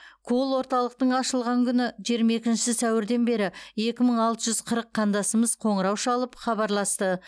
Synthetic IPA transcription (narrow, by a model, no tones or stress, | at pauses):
kʰolˠwo̞ɾt̪ɑlˠəq̚t̪əɴɑʃəlˠʁɑŋkʲʰʏnɪʒijɾmɑje̞kʲɪnʃɪɪsæwɪɾd̪e̞nbe̞ɾɪe̞kʲɪməɴɑlˠt̪əʒʏzqʰəɾəqʰːɑnd̪ɑsəməzqʰo̞ɴəɾɑwʃɑlˠəpχɑbɑɾlˠɑst̪ə